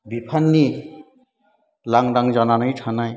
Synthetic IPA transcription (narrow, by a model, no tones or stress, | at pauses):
bipʰanːi | laŋɾaŋd͡ʒananɯjtʰanaj